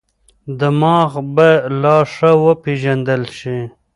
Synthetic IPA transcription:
d̪əmɑːɣbalɑʂawəpeʒand̪əlʃi

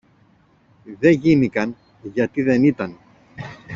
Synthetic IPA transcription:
ðe̞ʝinikɐn | ʝɐt̪iðe̞nit̪ɐn

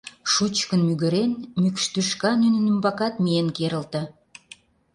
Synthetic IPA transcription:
ʃut͡ɕkənmyɣə̆ɾenmykʃt̪yʃkɑnynənymbɑkɑt̪mijenkeɾə̆lt̪ə̆

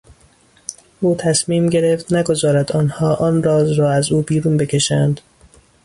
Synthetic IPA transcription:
ʔuːt̪ʰæsmiːmɟe̞ɾeft̪næɡo̞zɒːɾæd̪ɒːnhɒːʔɒːnɾɒːzɾɒːæzuːbiːɾuːnbe̞cʰe̞ʃænd̪̥

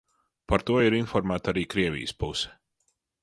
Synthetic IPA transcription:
paɾt̪uɔiɾinfɔɾmæːt̪aɾiːkɾiɛvʲḭjəspusɛ̥

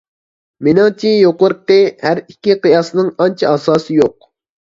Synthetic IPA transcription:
menɑŋt͡ʃʰijoqʊɾqɨhæɾikʲːiqijɑsnɨŋɑnt͡ʃʰɑɑsɑːsɨjoq̚

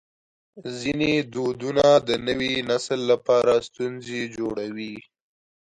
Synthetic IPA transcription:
zined̪od̪unad̪ənəwinaslːapɑɾast̪unzed͡ʒoɽawi

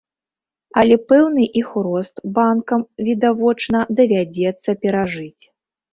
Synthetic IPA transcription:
ɐlʲɛpɛwnɨʔixɾɔst̪bankɐmvʲid̪avɔt͡ʂnɐd̪ɐvʲad͡zʲɛt̪sːɐpʲɛɾaʐɨt͡sʲ

